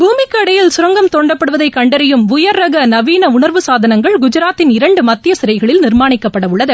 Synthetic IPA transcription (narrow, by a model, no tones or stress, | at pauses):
bʱuːmɪkːɐɽɐjɪlsʊɾɐŋɡɐmt̪oːɳɖɐpːɐɽɯʋɐðɐɪkɐɳɖɐɾɐjɯmʊjɐɾːɐɣɐnɐʋiːnɐʊɳɐɾʋɯsaːðɐnɐŋɡɐɭɡʊd͡ʒɪɾaːt̪ːɪnɪɾɐɳɖɯmɐt̪ːɪjɐsɪɾɐɪɣɐɭɪlnɪɾmaːɳɪkːɐpːɐɽɐʋʊɭːɐðɯ